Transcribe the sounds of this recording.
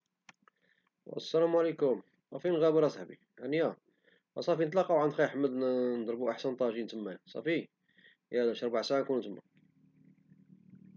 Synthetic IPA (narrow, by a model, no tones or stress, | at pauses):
æ̰sːælæmwʕlikʊm | ɑfinɣæbəɾˤɑshbḭ | ʕanjæ | æsˤɑfinət̪̬ˤlɑqːɑwʕənd̪xæjħəmːəd̪nd̪ˤɾˤbuʔaħsənt̪ˤɑʒint̪əmːæjsˤɑ̰fi | hæd̪æʃɾˤbaʕsaʕankunut̪əmːa̰